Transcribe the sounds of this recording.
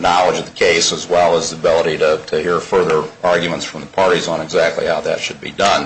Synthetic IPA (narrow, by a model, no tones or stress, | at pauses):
nɑlˠəd͡ʒʌvðəkʰeɪsəzwɛlˠəzðəbɪlˠəɾiɾɨtʰɨhɪɹfɜ˞ðə˞ʔɑɹɡjɨmə̃ntsfɹʌ̃mðəpʰɑɹɾizn̩ɨɡzæk̚tʰˡlḭhaʊðɨ̰tʃɨd̚bḭdʌ̃n